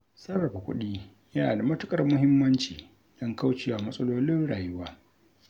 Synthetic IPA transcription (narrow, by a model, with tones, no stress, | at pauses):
sɐ˦rːɐ˨ɸa˨kʷʊ̰˦ɗiː˦ | ja˦a˨da˨mɐ˦tʊ˦kʼɐ˨rmʊ˦ɦɪ˦mːɐ˦nt͡ʃiː˨ | d̥ɐ˦ŋka˦wt͡ʃeː˨wa˨mɐ˦sʼɐ˦loː˦lɪ˦nɽaː˨jʊ˦waː˦